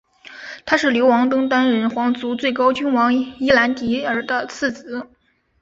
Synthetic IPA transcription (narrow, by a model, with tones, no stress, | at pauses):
t̪ʰa˥ʂɻ̩˥˩ljo˧˥ʊwɑ˧˥ŋt̪ɤ˥ŋt̪a˥nɻə˧˥nxwɑ˧˥ŋt͡su˧˥t͡swe˥˩ɪkɑ˥ʊt͡ɕy˥nwɑ˧˥ŋi˥la˧˥nt̪i˧˥ə˞˧˥d̪ə˧t͡sʰɹ̩˥˩t͡sɹ̩˧˥